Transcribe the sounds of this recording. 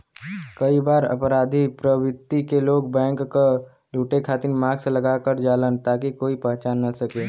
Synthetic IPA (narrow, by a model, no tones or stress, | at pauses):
kɐibaːɾɐ̰pɾaːd̪ʱipɾəwɪt̪ːikeloːɡbɛ̃ːŋkka | luːʈekʰaːt̪ɪɾmaːɡselɐɡakəɾd͡ʒaːlənt̪aːkikoːipəɦt͡ʃaːnːɐsɐkeː